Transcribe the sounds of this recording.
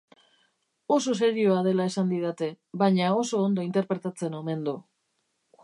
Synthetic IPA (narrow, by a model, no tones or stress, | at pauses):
o̞s̬o̞se̞ɾio̞aðe̞lae̞sand̪iðat̪e̞ | βaɲao̞so̞ːnd̪oint̪e̞ɾpɾe̞t̪at͡se̞no̞me̞nd̪o